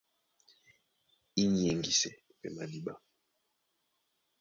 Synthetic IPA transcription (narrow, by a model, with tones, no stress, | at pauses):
i˦ɲ˨jɛ˨ŋɡi˨sɛ˨ | pɛ˨ma˨di˨ɓa˦